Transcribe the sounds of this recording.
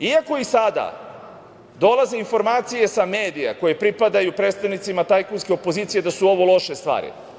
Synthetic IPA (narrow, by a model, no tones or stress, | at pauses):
iako̞isad̪a̰ | d̪o̞laze̞info̞ɾmaːt̪sije̞sameːd̪ija̰ko̞je̞pɾipad̪ajupɾe̞ːt̪st̪aʋnit̪simat̪ajkunske̞o̞po̞ziːt̪sije̞d̪asuo̞ʋo̞lˠo̞ʃe̞st̪ʋa̰ːɾḭ